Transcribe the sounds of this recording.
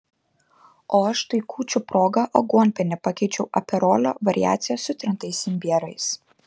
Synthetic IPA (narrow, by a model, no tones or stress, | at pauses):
oːɐʃt̪ɐɪkʰuːt͡ʃʲʊpɾoːɡɐʔoɡuɔnʲpʲɛnʲɛpɐkʲɛɪt͡ʃʲɛʊʔɐ̰pʲɛɾoːlʲo̰ːʋɐɾʲɪ̰jæ̰ːt̪sʲɪjɛsʊt̪ʲɾʲɪnt̪ɐɪsʲɪmʲbʲiɛɾɐɪs